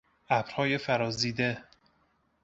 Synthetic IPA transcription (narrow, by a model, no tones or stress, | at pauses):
æbɾhɒːjefæɾɒːziːd̪e